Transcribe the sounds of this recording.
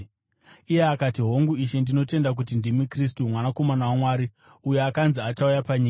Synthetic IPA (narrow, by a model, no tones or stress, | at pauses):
ijeakatiɦo̞ŋɡuiʃe̞ndino̞te̞ndak̬ut̬indimikristumwanako̞manawamwaːɾi | ujeakanziataujapaɲiːka